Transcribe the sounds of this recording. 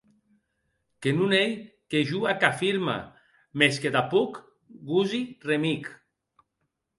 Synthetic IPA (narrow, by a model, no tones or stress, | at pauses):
kenunej | keʒuakafiɾma̰ | mesked̪apuk | ɡuziremik